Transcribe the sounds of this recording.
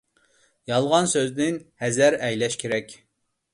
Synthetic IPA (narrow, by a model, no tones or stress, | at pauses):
jɑlˠʁɑnsøzd̪ɪnhɛzæɾɛjlɛʃkʲʰeɾɛkʲ